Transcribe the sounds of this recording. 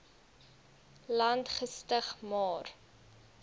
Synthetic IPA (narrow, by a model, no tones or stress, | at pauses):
lɐntχəstəχmɑːr